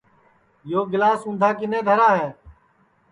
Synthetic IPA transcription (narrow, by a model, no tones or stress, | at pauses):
joːɡɪlaːsʊ̃ːnd̪ʱaːkɪnẽːd̪ʱəɾaːɦɛː